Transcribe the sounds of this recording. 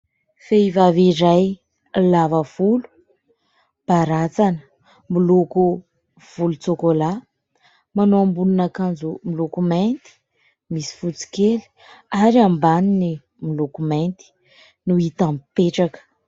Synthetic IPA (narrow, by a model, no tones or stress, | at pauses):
feivaviɾaj | lavəv̥ulu̥ | b̥aɾat͡sanə̥ | miloku | v̥ulut͡sokola | manoambulunakand͡zumilokument̪i̥ | misi̥fut͡si̥keli̥ | aɾiambanini | milokument̪i̥ | nuit̪ampeʈ͡ʂakə̥